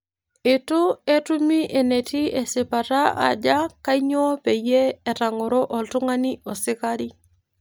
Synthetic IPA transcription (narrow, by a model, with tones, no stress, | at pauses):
ɪ˨tʊ˦e˦tu˦mi˦ʔe˨ne˨ti˦e˨sɪ˨pa˨ta˦a̰˨d͡ʒaka˦i˦ɲɔ˦ɔ˦pe˨jeː˦˨ta˨ŋɔ˨ɾɔ˦ʔɔ˨ltʊ˦ŋa˦niɔ˨sɪ˦kaɾi˦